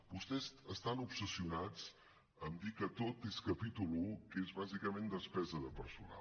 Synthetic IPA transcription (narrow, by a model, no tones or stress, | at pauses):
bust̪ɛzəst̪anupsəsiunad͡z | əmd̪ikət̪ot̪eskəpit̪ulukezβazikəmend̪əspɛzəðəpəɾsuna̰